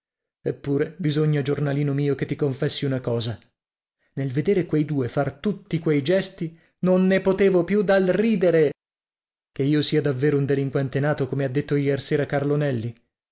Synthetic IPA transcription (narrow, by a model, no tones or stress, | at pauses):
epːuːɾebizoɲːad͡ʒornaliːnomiːoket̪ːikoɱfɛsːiunakɔːza | nelved̪eːɾekwejd̪uːefart̪ut̪ːikwejd͡ʒɛst̪i | nonːepot̪eːvopjud̪alriːd̪eɾe | keiːosiːad̪avːeːɾound̪eliŋkwɛnt̪enaːt̪okomead̪ːet̪ːojɛrseːɾakarlonɛlːi